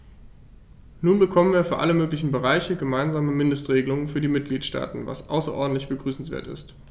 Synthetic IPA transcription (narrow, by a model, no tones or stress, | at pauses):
nuːnbəkʰɔmənviːɐfyːɐʔaləmøːklɪçn̩bəʁaɪçəɡəmaɪnzaːməmɪndəstʁ̥eːɡəlʊŋənfyːɐdiːmɪt̚ɡ̥liːtʃta̰ːtn̩va̰sʔa̰ʊsɐʔɔ̰ɐdn̩tlɪçb̥əɡʁyːsn̩sv̥ḛːɐtɪ̰st